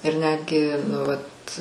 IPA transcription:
ɪr ˈnʲæːdʲɡʲɪ nʊ ˈʋɐt

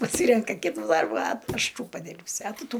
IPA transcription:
pɐˈsʲiːrʲɛŋkɐ ˈkʲɪtʊ ˈdɐrbʊ ɐ ˈɐʃ ˈtuː pɐˈdʲɪrʲpʲsʲʊ ɐ ˈtʊ ˈtuː

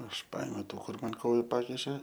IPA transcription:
ɐʃ ˈpɐeːmʲɛʊ ˈtuː ˈkʊr ˈmɐn ˈkoːjʊ ˈpɑːkʲɪʃʲeː

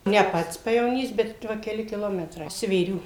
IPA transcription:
nʲɛ ˈpɐts pɐjɛʋoːˈnʲiːs bʲɛt ˈʋɐ kʲɛˈlʲɪ kʲɪˈlˠoːmʲɛtrɐɪ sʲʋʲeːˈrʲuː

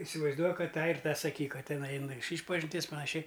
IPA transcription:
ɪsʲɪʋɐɪzˈduɔk ˈkɐt ˈtɑː ɪr ˈtɑː sɐˈkʲiːk ˈkɐt ˈtʲɪnɐɪ ɐɪˈnʊ ˈɐʃ ˈiːʃpɐʒʲɪnʲtʲiɛs pɐnɐˈʃʲɛɪ

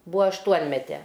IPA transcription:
ˈbʊʋoː ɐʃˈtuɔnʲmʲɛtʲɛ

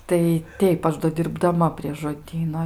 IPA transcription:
tɐɪ ˈtʲɛɪp ˈɐʃ doː dʲɪrbdɐˈmɐ pʲrʲiɛ ʒoːˈdʲiːnoː

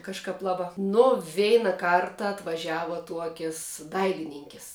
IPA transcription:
kɐʃˈkɐp ˈlˠɑːˌbɑː nʊ ˈʋʲɛɪnɐ ˈkɐrtɐ ɐtʋɐˈʒʲæːʋɐ ˈtuɔkʲɪs ˈdɐɪlʲɪnʲɪŋʲkʲɪs

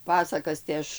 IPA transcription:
ˈpɑːsɐkɐs tɐɪ ˈɐʃ

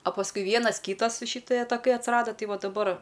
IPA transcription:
ɐ pɐsˈkʊɪ ˈʋʲiɛnɐs ˈkʲiːtɐs ʃɨˈtɜ tɐˈkɐɪ ɐtʲsʲɪˈrɑːdɐ ˈtɐɪ ˈʋɐ dɐˈbɐr

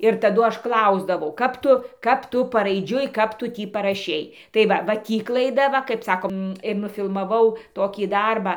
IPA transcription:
ɪr tɐˈdʊ ˈɐʃ ˈklˠɐʊzdɐʋɐʊ ˈkɐp tʊ ˈkɐp ˈtʊ pɐrɐɪˈd͡ʒʲʊɪ ˈkɐp tʊ ˈtʲiː pɐrɐˈʃʲɛɪ tɐɪ ˈʋɐ ʋɐ ˈtʲiː klˠɐɪˈdɐ ˈʋɐ kɐɪp ˈsɑːkoːm ɪr nʊfʲɪlˠmɐˈʋɐʊ ɪr nʊfʲɪlˠmɐˈʋɐʊ ˈtoːkʲiː ˈdɐrbɑː

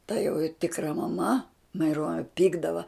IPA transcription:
tɐ joː ˈtʲɪkrɐ mɐˈmɐ mɐɪˈruɔnʲɛ ˈpʲiːɡdɐʋɐ

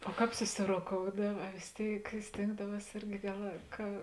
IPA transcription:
oː ˈkɑːp sʊsʲɪroːˈkoːʊdɐw ɐ ʋʲeːs ˈtʲeːɪk ˈsʲtʲeːŋɡdɐˌʋuɔs ˈɪrʲɡʲɪ ˈɡɐlˠ kɐ

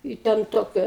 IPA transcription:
ɪ ˈtʲɛn ˈtoːkʲɛ

